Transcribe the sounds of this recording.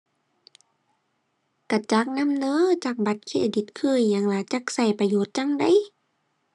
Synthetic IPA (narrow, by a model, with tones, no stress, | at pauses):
ka˧˩t͡ɕa˧˦k̚na˧˥˨mnɤː˧˥˨t͡ɕa˧˩k̚ba˧˦t̪̚kʰiː˧˩ʔa˨˩di˧˦t̪̚kʰɯ˧˩˨jːa˨˧˦ŋlaː˨˦t͡ɕa˧˥˦k̚sa˧˩jpa˧joː˨˦t̪̚t͡ɕa˧˥˨ŋda˧˥˨j